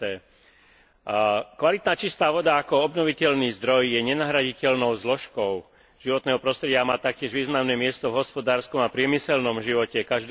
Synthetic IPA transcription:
ɛ | kʋalit̪naːt͡ʃist̪aːʋɔd̪aːkɔɔbnɔʋicɛʎniːzd̪ɾɔjjɛɲɛnaɦɾaɟicɛlnɔʊzlɔʃkɔʊ | ʒ̥iʋɔt̪nɛːɦɔpɾɔst̪ɾɛɟɪamaːt̪ak̚cɪɛʒʋiːznamnɛːmɪɛst̪ɔvɦɔspɔd̪aːɾskɔmapɾɪɛmisɛlnɔmʒiʋɔcɛkaʒd̪

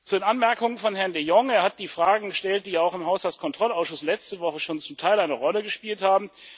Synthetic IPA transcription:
t͡sudeːnʔanmɛɐkʊŋənfɔnɦɛɐndejɔŋeːɐhat̚d̥iːfʁ̥aːɡŋ̩ɡəʃtɛlt̚d̥iːaʊxɪmɦaʊshalt͡skʰɔntʁ̥ɔlaʊsʃʊslɛt͡stəvɔχəʃoːnt͡sʊmtʰaɪlaɪnəʁɔləɡəʃpiːlthaːbm̩

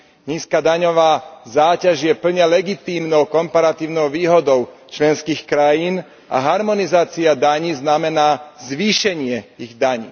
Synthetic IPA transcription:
ɲiːskaːd̪aɲɔʋaːzaːcaʒjɛpl̩ɲɛlɛɡit̪iːmnɔʊkɔmpaɾat̪iːʊnɔʊʋiːɦɔd̪ɔʊt͡ʃlɛnskiːxkɾajiːn | a̰ɦaɾmɔnizaːt͡siad̪aɲiːznamɛnaːzʋiːʃɛɲɪɛiɣd̪aɲḭː

